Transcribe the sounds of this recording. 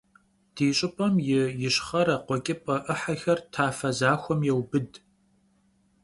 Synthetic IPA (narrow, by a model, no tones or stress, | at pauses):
d̥iːɕʼɪpʼɐmjɪjɪɕχɐɾɐqʷɔkʲʼɪpʼɐʔɨħɐxɐrtʰaːfɐzaːxʷɔmjɛwbɨd